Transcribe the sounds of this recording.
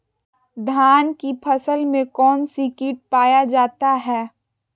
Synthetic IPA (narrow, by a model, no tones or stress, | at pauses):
d̪ʱaːnkipʰɐsəlmẽkɔːnsikɪːʈ̚paːjad͡ʒaːt̪aɦɛː